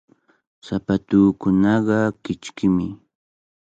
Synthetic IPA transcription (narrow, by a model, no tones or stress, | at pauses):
sapat̪uːkʊnɑɢɑkɪt͡ʃkɪmɪ